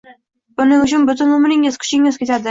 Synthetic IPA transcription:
b̥ʊnɪŋʊt͡ʃʰʊnbʊt̪ʰʊnʊmɪnɪŋjeskʰʲʊ̥t͡ʃɪŋjezkʲʰet̪ʰad̪ɪ

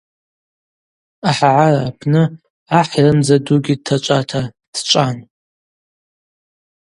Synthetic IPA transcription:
aħaʕaraːpʰnɨ | aħjrɨmzaduɡʲid̚tʰat͡ʃʷʼatʰa | st͡ʃʷʼan

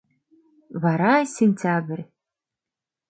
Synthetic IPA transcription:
waɾajsenʲtʲʰaːbɨrʲ

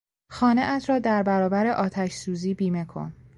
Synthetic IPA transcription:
xɒːneʔæt̪ʰɾɒːd̪æɾbæɾɒːbæɾe̞ʔɒːt̪ʰæʃsuːziːbiːme̞kʰo̞̰n

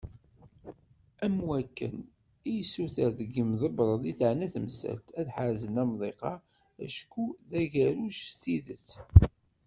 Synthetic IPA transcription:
æmwækːə̰n | ijsuθəɾðɡəmðəbɾˤəðˤiθʕnæθəmsæ̰lt̪æðħaɾzənæmðˤeqɑ | æ̰ʃkuðæʝæɾuʃst̪iðət͡sː

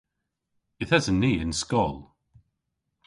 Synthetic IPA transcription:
ɪθhəzəniːɪ̃nskɔlˠ

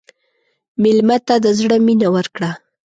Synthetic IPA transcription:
mɪlmat̪ad̪əzɽəminawəɾkɽa

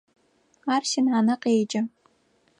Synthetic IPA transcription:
aːrʃɪnaːnɐqeːd͡ʒʼɐ

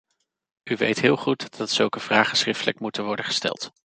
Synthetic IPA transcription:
yʋejtɦɪːlˠχutdɑtsɵlˠkəv̥raːχəsχrɪftələkmutənʋɔɹdəχə̥stɛ̰lˠt

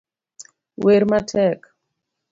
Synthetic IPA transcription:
weɾmatʰɛk

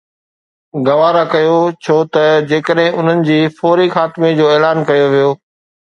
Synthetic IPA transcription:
ɡɐʋaːɾakɐjot͡ɕʰoːt̪ɐd͡ʑeːkəɗɦɪ̃ʔʊn̤ənɪ̆d͡ʑiːfɔːɾixaːt̪ɪmed͡ʑoːeːlaːnkɐjoʋijoː

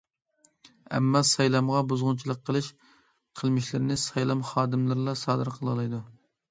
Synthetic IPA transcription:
ɛ̰mːɑsɑjlˠɑmʁɑbuzʁʊnt͡ʃʰilˠəqʰːəlˠɨʃ | qʰəlˠmɪʃlɪɾɪnɪsɑjlˠɑmχɑːd̪ɨmlˠɨɾlˠɑsɑːd̪ɨɾqʰəlˠɨlˠɨjd̪u

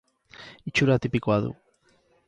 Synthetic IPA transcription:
it͡ʃuɾat̪ipikoaðṵ

